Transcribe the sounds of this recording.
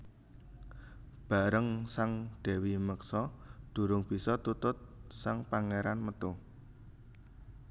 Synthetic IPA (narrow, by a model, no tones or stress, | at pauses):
b̥a̤ɾəŋsaŋɖ̪̥ɛ̤wiməksɔd̪̥ṳɾʊŋb̥i̤sɔt̪ut̪ʊt̪̚saŋpaŋeɾanmət̪ʊh